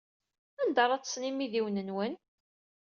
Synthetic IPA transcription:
ænd̪əɾˤɑt͡sːsnimiðiwnənwən

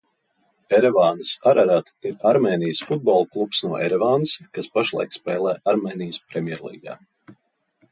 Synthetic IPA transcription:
ɛɾɛvaːnɨsaɾʔaɾat̪iɾaɾmeːnijəsfud̪̚bɔːlˠklˠupsnuɔʔɛɾɛvaːnɨskaspaʃlˠa̰jkspʲɛːlˠɛːʔaɾmeːnijəspɾemʲjɛɾlˠḭːɡa̰ː

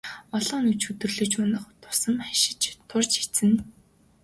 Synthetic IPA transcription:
ɔɮɞːnɵt͡ɕxɵt̪ɵ̆rɮɵ̆t͡ɕʊnə̆χt̪ʰʊ̥sə̆maʃɪ̥̆t͡ɕt̪ʰʊrt͡ɕet͡sɘ̆n

